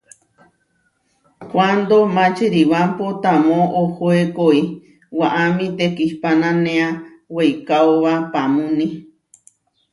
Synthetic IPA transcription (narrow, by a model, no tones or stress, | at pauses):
kʷand̪omãt͡ʃeɾiwampot̪amõʔohoekoi | waʔamĩt̪ekihpanãnẽa | wejkaoβapamũnĩ